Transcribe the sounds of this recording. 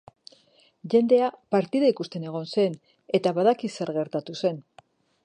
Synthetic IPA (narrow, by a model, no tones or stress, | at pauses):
ʝe̞nd̪e̞apaɾt̪iðaikust̪e̞ne̞ɣ̞o̞nse̞n | e̞t̪aβaðakise̞ɾɣe̞ɾt̪at̪use̞n